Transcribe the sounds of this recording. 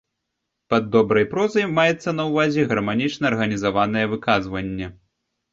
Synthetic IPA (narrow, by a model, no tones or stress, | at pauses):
pɐd̪ːɔbɾɐjpɾɔzɐjmajɛt̪sːɐn̪ɐwvazʲɛɣɐrmanʲit͡ʂnɐːrɣɐnʲizavan̪ɐjɛvɨkazvɐnʲːɛ